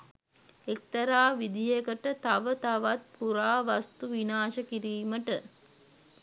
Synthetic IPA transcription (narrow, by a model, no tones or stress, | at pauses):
ek̚t̪ɐɾaːʋid̪ijekəʈət̪aʋət̪aʋat̪̚puɾaːʋast̪uʋinaːʃəkiɾiːməʈə